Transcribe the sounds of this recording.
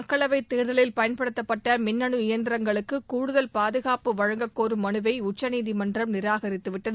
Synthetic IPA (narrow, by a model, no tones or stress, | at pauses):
ɐkːɐɭɐʋɐɪt̪ːeːɾðɐlɪlpɐjɐnpɐɽɯt̪ːɐpːɐʈːɐmɪnːɐɳɯɪjɐnd̪ɪɾɐŋɡɐɭɯkːɯkuːɻʊðɐlpaːðɯɣaːpɯʋɐɻɐŋɡɐkːoːɾɯmɐnɯʋɐɪʊt͡ʃːɐniːðimɐndrɐmnɪɾaːɣɐɾɪt̪ːɯʋɪʈːɐðɯ